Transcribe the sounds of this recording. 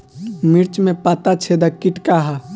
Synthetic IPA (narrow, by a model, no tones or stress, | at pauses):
miɾt͡ʃmẽpaːt̪at͡ʃʰed̪akiʈkaɦa